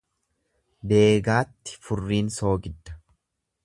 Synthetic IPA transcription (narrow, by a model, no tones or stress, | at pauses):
b̪e̞ːɡaːt̪ːɪ̥fʊrːiːnso̞ːɡɪd̪ːɐ̥